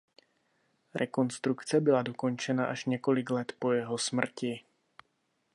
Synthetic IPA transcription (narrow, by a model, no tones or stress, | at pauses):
ɾʔɛko̞nst̪ɾukt͡sɛbɪladoko̞nt͡ʃɛnaʔaʃɲɛko̞lɪklɛt̪po̞jɛɦosmr̩cɪ